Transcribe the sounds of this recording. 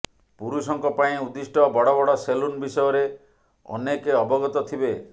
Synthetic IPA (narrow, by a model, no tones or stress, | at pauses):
puɾusɔŋkɔpaĩud̪isʈɔbɔɽɔbɔɽɔselunbisɔjɔɾe | ɔ̰nekeɔbɔɡɔt̪ɔt̪ʰibe